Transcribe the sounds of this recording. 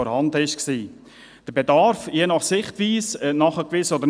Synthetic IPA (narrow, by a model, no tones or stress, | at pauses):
ɔɾhɑndəɪʃksiː | d̥əɾbedɑɾfjenɑχsɪχtʋiːsənɑχəkʋɪsɔdəɾ